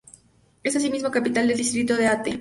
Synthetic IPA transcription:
e̞sas̬imizmo̞kapit̪ald̪eld̪ist̪ɾit̪oðe̞at̪e

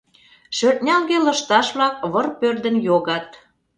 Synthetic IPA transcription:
ʃørt̪̚nʲɑlɣelə̆ʃt̪ɑʃβlɑk̚βərpørd̪ə̆njoɣɑt̪

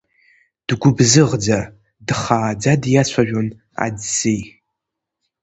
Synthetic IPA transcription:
d̥ɡʷʊbzɨʁd͡za | dχaːd͡zadjat͡ɕʷʰaʒᶣon | a̰dsej

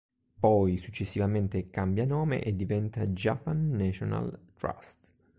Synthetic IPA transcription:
pɔjsut͡ʃːesːivament̪ekambjanɔːmḛʔed̪ːivɛnt̪ad͡ʒapːanːɛt͡ʃona̰lt̪ɾa̰st̪

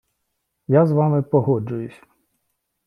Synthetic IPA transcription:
jazʋɑmɪpɔɦɔd͡ʒʊjʊsʲ

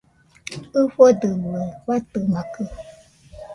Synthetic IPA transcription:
ɨɸɔdəwɛwat̪əmãkə

